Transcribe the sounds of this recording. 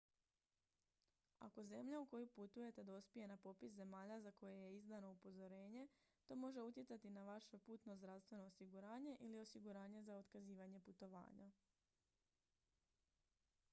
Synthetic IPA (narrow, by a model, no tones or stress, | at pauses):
a̰ko̞ze̞mʎauko̞juput̪uje̞t̪e̞d̪ospije̞napo̞pisze̞maːʎazako̞jeje̞izd̪ano̞upo̞zo̞ɾe̞ːɲe̞ | t̪o̞mo̞ʒe̞ut̪je̞tsat̪inaʋaʃe̞puːt̪no̞zd̪ɾaʋst̪ʋe̞no̞ːsiɡuɾaːɲe̞ʔilio̞siɡuɾaːɲe̞zao̞t̪kaziːʋaɲe̞put̪o̞ʋa̰ːɲa